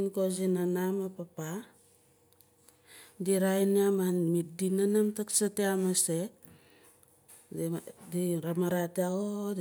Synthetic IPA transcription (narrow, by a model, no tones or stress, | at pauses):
nkozinanamapapa | diɾajniamanmit̚dinanamtaksateamase | diɾamaɾateao